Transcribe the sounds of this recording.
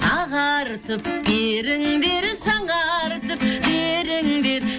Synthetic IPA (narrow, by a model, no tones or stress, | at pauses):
ɑʁɑɾt̪əpbeɾɪŋd̪eɾʃɑɴɑɾt̪əp̚beɾɪŋd̪e̞ɾ